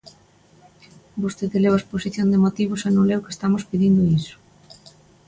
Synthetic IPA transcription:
bost̪eðeleβasposiθjond̪emot̪iβosenõlewke̥st̪amospiðind̪ʊisʊ̥

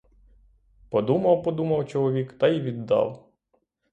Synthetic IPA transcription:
pɔd̪umɐwpɔd̪umɐwt͡ʃɔlˠɔʋʲikt̪ɐjiʋʲid̪ːɑ̰w

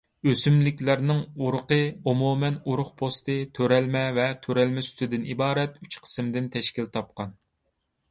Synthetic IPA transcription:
øsymlɪkʲlæɾnɪŋuɾʊqəomumɛnuɾʊχpʰost̪ɨt̪ʰøɾɛlmɛvɛt̪ʰøɾɛlmɛsy̥t̪ʰɪd̪ɪnibɑːɾɛt̪yt͡ʃqʰə̥sɨmd̪ɪnt̪ʰɛʃkʲilt̪ʰɑp̚qɑn

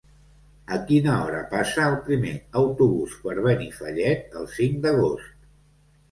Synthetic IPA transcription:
əkinəɔɾəpasəːlˠpɾimeəwt̪uβuspəɾβ̞ənifəʎɛt̪̚əlˠsiŋd̪əɣ̞ost̪̚

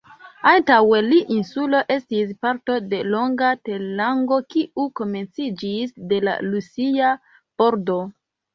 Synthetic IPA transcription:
antawe̞liʔinsulo̞ʔe̞stis̬paɾto̞de̞lo̞ŋɡate̞laŋɡo̞kiʔuko̞me̞nt͡sid͡ʒisde̞la̰lusia | b̥o̞ɾdo̞

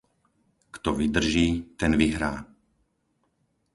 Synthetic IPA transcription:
kt̪ɔʋid̪r̩ʒiːt̪ɛnʋiɦɾaː

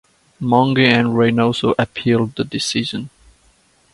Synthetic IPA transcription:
mɔ̃ŋɡiæ̃nɹẽnɔlsoʔəpʰilˠd̚ðədɪsiʒə̃n

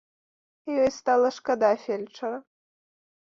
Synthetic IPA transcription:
jɔjst̪alˠɐʂkɐd̪afʲelʲt͡ʂɐɾɐ

